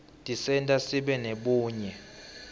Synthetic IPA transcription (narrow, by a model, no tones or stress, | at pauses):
tʼisɛntʼasiɓɛneɓuːɲɛ